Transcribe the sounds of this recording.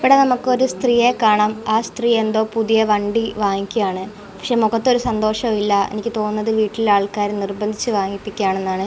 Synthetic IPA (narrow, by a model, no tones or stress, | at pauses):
iʋiɽenɐmukːɨo̞ɾust̪rije̞kaːɳaːmaːst̪riːe̞nd̪o̞ːpuðijɐʋɐɳɖiʋaːŋikʲːujaːɳɨ | pɐkʂe̞moɣɐt̪ːoɾusɐnd̪o̞ːʂɐmilːɐḛnikʲːɨt̪o̞ːnːɐðɨʋiːʈːililaːɭkaːɾnirbɐnd̪ʱit͡ɕːɨʋaːŋipːikʲːaːɳe̞nːaːɳɨ